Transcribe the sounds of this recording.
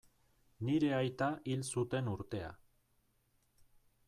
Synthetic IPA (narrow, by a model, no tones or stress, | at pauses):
niɾe̞ajt̪aʔilsut̪e̞nuɾt̪e̞a̰